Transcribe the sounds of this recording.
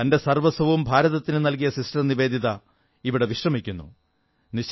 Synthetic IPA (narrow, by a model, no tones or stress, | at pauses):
ɐnde̞sɐrʋɐsɐʋumbʱaːɾɐðɐt̪ːinɨnɐlk̬ijɐsisʈɐniʋe̞ːd̪ʱiðɐ | iʋiɽe̞ʋiʂrɐmikʲːunːṵ | niɕ